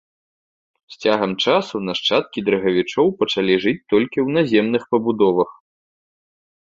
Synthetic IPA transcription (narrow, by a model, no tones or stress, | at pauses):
sʲt͡sʲaɣɐmt͡ʂasunaʂt͡ʂat̪̚kʲid̪ɾɐɣɐvʲit͡ʂɔwpɐt͡ʂalʲiʐɨt͡sʲt̪ɔlʲkʲiwnazʲɛmnɨxpɐbud̪ɔvɐx